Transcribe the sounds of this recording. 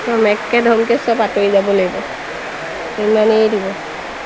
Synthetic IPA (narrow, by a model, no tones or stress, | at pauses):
tɔmɛkːɛdʱɔmkɛsɔbatoizabɔloɡbɔ | emanedibɔ